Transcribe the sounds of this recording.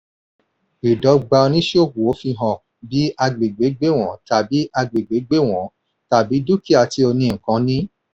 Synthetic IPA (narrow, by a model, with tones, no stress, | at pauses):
i˨dɔ˨˧˦ɡ͡ba˧o˧nĩ˦ʃo˦˨ku˨o˨˦fi˧ɦɔ̃˨ | bi˨˦a˧ɡ͡be˨ɡ͡be˨˦ɡ͡be˦w̃ɔ̃˨˦ta˨bi˨˦a˧ɡ͡be˨ɡ͡be˨˦ɡ͡be˦w̃ɔ̃˨˦ | ta˨bi˨˦du˦ki˦˨a˨ti˨˦o˧nĩ˧˨ŋ̩˨kã˨˧˦nĩ˦